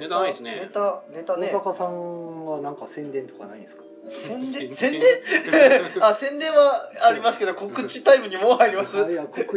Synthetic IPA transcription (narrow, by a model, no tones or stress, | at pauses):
net̪anet̪aosakasãŋβanãŋkasẽ̞nd̪ẽ̞nt̪o̞kana̰ĩd̪esɨ̥kḁ | sẽnẽsẽ̞nd̪ẽ | asẽ̞nd̪ẽ̞ɰ̃aːɾʲimasɨ̥ke̞d̪o̞ko̞kɯ̟t͡ɕi̥t̪aibɯ̟ɲ̟imoaɾʲimasɨ